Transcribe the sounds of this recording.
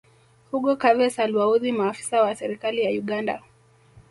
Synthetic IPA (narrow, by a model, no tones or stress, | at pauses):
fuɠɔkavɛsalwauðimaːfi̥sawasɛɾikalijauɠanda̰